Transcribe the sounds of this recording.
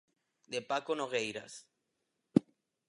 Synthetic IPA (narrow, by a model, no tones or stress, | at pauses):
d̪epakonoɣejɾa̰s